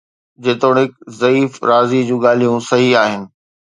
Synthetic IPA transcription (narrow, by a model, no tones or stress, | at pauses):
d͡ʑeːt̪oːɽ̃ɦɪkzɐiːfɾaːzid͡ʑũːɠaːl̤ijũsɐɦiaːɦɪnɪ̆